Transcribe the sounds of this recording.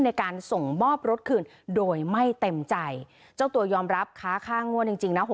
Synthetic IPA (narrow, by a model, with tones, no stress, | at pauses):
nːa˧jkaː˧nso˨˩ŋmɔː˥˩p̚ɾo˦˥t̪̚kʰɯː˧n | doː˧jma˥˩jt̪e˧mt͡ɕa˧j | t͡ɕa˥˩wt̪u˧ɐjɔː˧mɾa˦˥p̚kʰaː˦˥kʰaː˥˩ŋu˥˩ənt͡ɕi˧ŋt͡ɕi˧ŋna˦˥ɦo˧˩